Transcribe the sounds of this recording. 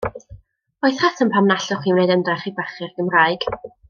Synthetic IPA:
oɨθhatʰənpʰamnaɬɔχiːmnejdəndrɛχibaχɪrɡ̥əmraːɨɡ̥

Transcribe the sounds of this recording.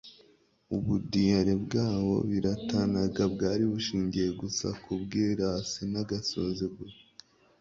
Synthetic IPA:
uβudijaɾebɡaːβo̞̰βiɾatanaɡabɡaːɾiβuʃiːɲɟije̞ɡusa̰kʰubɡiːɾasinaɡasoziɡwe

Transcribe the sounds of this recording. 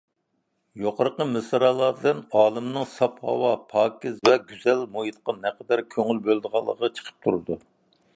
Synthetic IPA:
joqʰəɾqəmɨsɨɾɑːlˠɑɾd̪ɨnɑːlˠɨmnɨŋsɑphɑ̰wɑpʰɑːkʲɪzvɛɡʲyzɛlmojit̪qɑnɛqʰəd̪æɾkʲʰøŋylbølˠd̪əʁɑlˠːə̰ʁɑt͡ʃʰə̥qʰə̥p̚t̪ʰuɾɨd̪u

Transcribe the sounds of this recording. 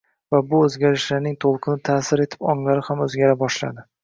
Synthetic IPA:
vabʊɵzɡʲaɾɪʃlaɾnɪŋt̪ʰolˠqʰɨnɪt̪ʰaːsɪɾe̞t̪ʰɪ̥pɒŋlaɾɪhamɵzɡʲaɾabɒʃla̰d̪ɪ

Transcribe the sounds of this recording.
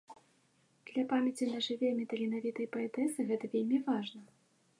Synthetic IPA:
d̪̥lʲɐpamʲɐt͡sʲinɐʐɨvʲɛmʲɛt̪ɐlʲinavʲit̪ɐjpɐɛt̪ɛsɨɣɛt̪ɐvʲelʲmʲivaʐnɐ

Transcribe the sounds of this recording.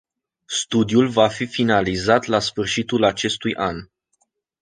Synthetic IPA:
st̪ud̪julvafifinalizat̪lasfɨrʃit̪ulat͡ʃe̞st̪ujʔan

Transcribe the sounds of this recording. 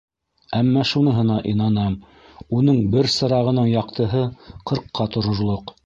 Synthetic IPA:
æmːɑʃunɤ̆ɦɤ̆nɑʔinɑnɑm | unɤɴbɘɾsɤ̆ɾɑʁɤ̆nɤɴjɑqt̪ɤ̆ɦɤqɤ̆ɾqːɑt̪ŏɾŏɾlˠoq

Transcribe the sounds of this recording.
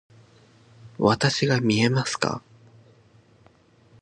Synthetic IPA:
βat̪aɕiɡamʲie̞masɨ̥ka̰

